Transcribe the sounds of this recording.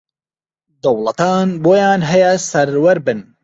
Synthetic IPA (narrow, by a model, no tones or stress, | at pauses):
d̪ɐwlˠɐt̪ɑːnboːjɑːnɦɛjɛsɐɾwɐɾbɨn